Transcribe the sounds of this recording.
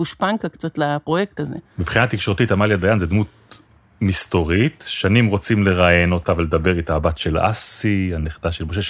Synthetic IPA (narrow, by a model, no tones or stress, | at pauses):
uʃpaŋkakt͡sat̪lapʁojekt̪azemipχinat̪ikʃo̞ʁt̪itamaljadajanzed̪mut̪̚ | mist̪o̞ʁit̪ʃanimʁo̞t͡simleʁajeno̞t̪avle̞d̪abe̞ʁit̪aːbatʃe̞la̰sianeχd̪aʃelmoʃ̬e